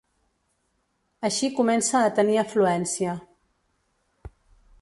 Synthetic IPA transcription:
əʃikumɛnsaːt̪əniəfluɛnsiə

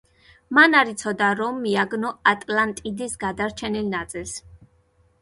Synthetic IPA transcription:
manaɾit̪sʰɔd̪aɾɔmːiaɡnɔat̪ʼlant̪ʼid̪isɡad̪aɾt͡ʃʰɛnilnat̪sʼilˠs

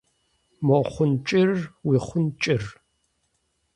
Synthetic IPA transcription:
mɔχʷʊnt͡ʃʼɪrwiːχʷʊnt͡ʃʼɪr

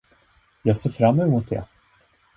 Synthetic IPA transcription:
jɑːɡseːɾfɾamːœmʊt̪̚d̪ɛ̰

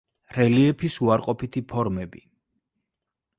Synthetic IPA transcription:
ɾɛliɛpʰisuaɾqʼɔpʰit̪ʰipʰɔɾmɛbḭ

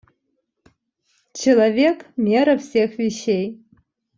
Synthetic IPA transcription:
t͡ʃʰilˠavʲekʰʼmɛɾafsexviʃej

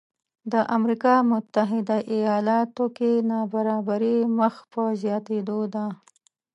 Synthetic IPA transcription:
d̪əʔamɾikɑmʊt̪ːaɦɪd̪aʔijɑlɑt̪okenɑbaɾɑbaɾiməxpəzjɑt̪ed̪od̪a

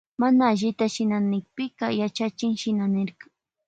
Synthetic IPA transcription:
manaːʎɪt̪aʃɪnanɪk̚pɪɢɑjat͡ʃat͡ʃɪŋʃɪnanɪɾɢɑ̥

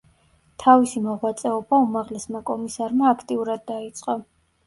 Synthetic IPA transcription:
t̪ʰavisimɔʁwat̪sʼɛɔbaumaʁlɛsmakʼɔmisaɾmaːkʰt̪ʼiuɾad̪ːait̪sʼqʼɔ

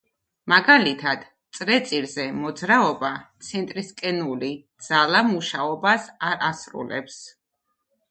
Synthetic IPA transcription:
maɡalit̪ʰad̪̥ | t̪sʼɾɛt̪sʼiɾzɛmɔd̪zɾaɔbat̪sʰɛnt̪ʼɾiskʼɛnulid̪z̥alˠamuʃaɔbasaɾasɾṵlɛ̰ps

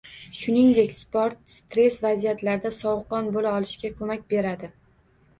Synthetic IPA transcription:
ʃʊnɪŋd̪e̞kʲspoɾt̪̚st̪ɾe̞svazijat̪laɾɪd̪asɒwqɒnbolaɒlˠɪʃkʲakʰɵmakʲbe̞ɾad̪ɪ

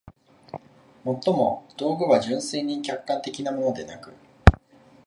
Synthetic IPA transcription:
mo̞t̪ːomo̞̰d̪̥o̞ːɡɯ̟βaʑɨ̃ɰ̃se̞ːɲ̟ikʲakːãnt̪e̞kʲinamo̞no̞d̪e̞nakɯ̟̰

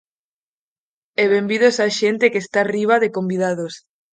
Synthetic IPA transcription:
eβembiðosaʃent̪ekest̪ariβ̞aðekombiðaðos

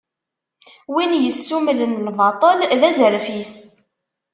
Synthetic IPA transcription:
winjəsːumlənlvɑt̪ˤəlðæzəɾfis

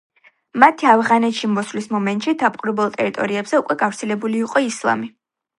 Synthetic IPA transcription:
mat̪ʰiafʁanɛt̪ʃimɔslismɔmɛnt̪ʼʃid̪apʼqʼuɾɛbɛlˠt̪ʼɛɾit̪ʼɔɾiɛbz̥ɛukʼwɛɡafɾt̪sʰɛlɛbuliːqʼɔislˠa̰mi

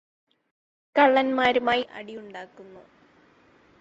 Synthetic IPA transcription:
kɐɭːɐnmaːɾumaːjiʔɐ̰ɽijuɳɖaːkːunːu

